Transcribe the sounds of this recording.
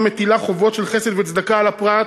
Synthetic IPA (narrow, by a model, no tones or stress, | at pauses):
met̪ilaχovo̞t̪ʃelχesed̪vet͡sd̪akalapʁat